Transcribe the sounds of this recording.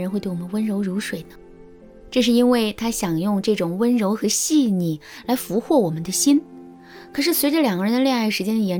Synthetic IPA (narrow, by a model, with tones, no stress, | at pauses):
nxe˥˧t̪wwɔ˨˩mə˦n˦wə˥nɻo˧˥ʊɻu˧˥ʂwe˨˩ɪnə˦ | ʈ͡ʂɤ˥˧ʂɻ̩˥˩i˥nwe˥˩ɪt̪ʰa˥ɕjɑ˨˩ŋjʊ˥˧ŋʈ͡ʂɤ˥˩ʈ͡ʂʊ˨˩ŋwə˥nɻo˧˥ʊxɤ˧˥ɕi˥˩˧ni˨˩la˧˥ɪfu˧˥xwɔ˥˩wɔ˨˩mə˦nd̪ə˧ɕi˥n | kʰɤ˨˩ʂɻ̩˥˩swe˧˥ɪʈ͡ʂə˥˩ljɑ˨˩ŋɡə˦ɻə˧˥nd̪ljŋ˥˩ʂɻ̩˧˥t͡ɕjɛ˥nd̪ə˧jɛ˧˥